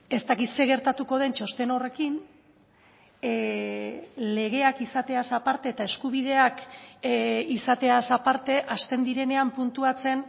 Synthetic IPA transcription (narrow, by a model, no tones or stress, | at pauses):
e̞st̪akit̪se̞ɣ̞e̞ɾt̪at̪uko̞ð̞e̞nt͡ʃo̞st̪e̞nore̞kin | le̞ɣ̞e̞akisat̪e̞asapaɾt̪e̞ːt̪ae̞skuβið̞e̞ak | isat̪e̞asapaɾt̪e̞ʔast̪e̞nd̪iɾe̞ne̞ampunt̪uat͡se̞n